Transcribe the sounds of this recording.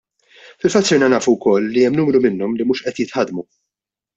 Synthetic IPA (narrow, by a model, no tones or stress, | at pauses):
fɪlfɐt̪ːsɪɾnɐnɐːfuwkɔlːiɛmːnuːmɾumɪnːɔmlimuːʃʔɛt̪jɪt̪ħɐd̪mu